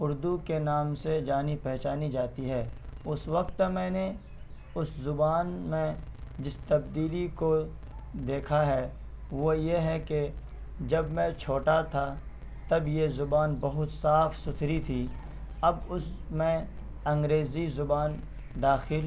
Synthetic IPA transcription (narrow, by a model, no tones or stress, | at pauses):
ʊɾd̪ukenaːmsed͡ʒaːnipɛɦt͡ʃaːnid͡ʒaːt̪iɦɛːʊswɐkt̪ːmɛ̃ːne | ʊszʊbaːnmẽd͡ʒɪst̪ɐbd̪iːliko | d̪eːkʰaɦɛː | ʋojeɦɛke | d͡ʒɐbmɛ̃t͡ʃʰoːʈat̪ʰa | t̪ɐbjezʊbaːnbɐɦʊt̪saːfsʊt̪ʰɾit̪ʰiː | ɐbʊsmɛ̃ | ɐ̃ŋɡɾeːzizʊbaːn | d̪aːxɪl